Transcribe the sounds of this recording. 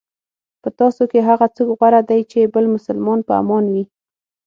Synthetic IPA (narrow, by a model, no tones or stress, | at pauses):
pət̪ɑsokeɦaɣat͡səɡɣwaɾad̪ajt͡ʃebəlmʊsalmɑnpəa̰mɑnwi